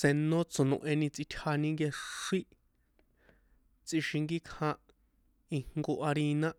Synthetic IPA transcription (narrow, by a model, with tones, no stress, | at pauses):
sẽ˧nõ˦t͡so˨nõ̰˧˨ʔẽ˧nĩ˧t͡si˧t̪ʲʰha˧nĩ˧ŋɡe˧ʂi˦ | t͡si˧ʃi˧ŋɡi˦kʰã˧ | i˧ŋ̥ŋɡo˧ʔa˧ɾi˧nã˦